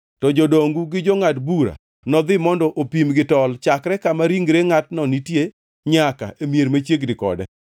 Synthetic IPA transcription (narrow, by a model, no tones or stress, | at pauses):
tɔd͡ʒodoŋɡuɡɪd͡ʒɔŋatbuɾa̰ | nɔd̪ɪmɔndɔʔopimɡɪtɔlt͡ʃakɾɛkamaɾiŋɡɾeŋatnɔnitje | ɲaka̰emjeɾmat͡ʃjeɡdɪkɔ̰dɛ